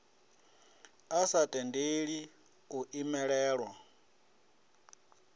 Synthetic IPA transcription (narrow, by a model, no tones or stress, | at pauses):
asatʼɛndeɺi | uʔimɛɺɛːɺwa